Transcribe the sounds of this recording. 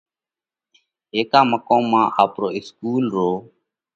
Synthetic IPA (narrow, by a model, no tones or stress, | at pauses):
ɦeːkaːməkõːmːãːʔaːpɾoːɪskuːlɾoː